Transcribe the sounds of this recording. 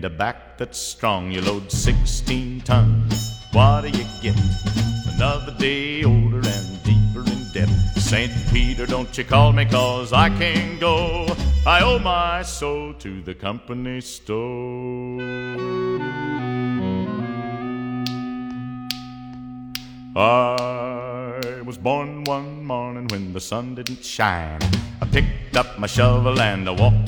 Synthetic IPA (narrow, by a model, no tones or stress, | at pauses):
ndɨbæk̚ðɨtstɹ̥ɔ̃ŋjɨloʊd̥sɪkstʰĩntʰʌ̃ŋz̥wʌɾɨjɨɡ̥ɛɾ̃ŋə̰nʌðə˞deɪoʊlˠdə˞ɨ̃ndipə˞ɨ̃ndɛpsẽɪ̃npʰiɾə˞dõʊ̃nt͡ʃɨkʰɔlˠmikʰɔzaɪkʰɨ̃nɡoʊaɪoʊmaɪsoʊlˠtʰɨðɨkʰʌ̃mpɨnisto | a | wʌzbɔɹnwʌ̃nmɔɹnɪ̃ŋwɨ̃nðəsʌ̃ndɪdⁿn̩tʃã̰ɪ̃nəpɪk̚tʌp̚maʃɛlˠʌvəlæ̃ndəwɔk̚